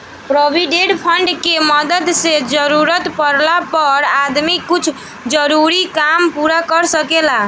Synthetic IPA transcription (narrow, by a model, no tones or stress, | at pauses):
pɾobʱiɖeɖpʰəɳɖkeməd̪əd̪sed͡ʒəɾuɾət̪pəɾlapəɾad̪mikut͡ʃʰ | d͡ʒəɾuɾikampuɾakəɾsəkela